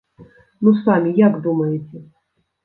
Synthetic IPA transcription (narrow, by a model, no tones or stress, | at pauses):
nusamʲijaɡd̪umɐjɛt͡sʲɛ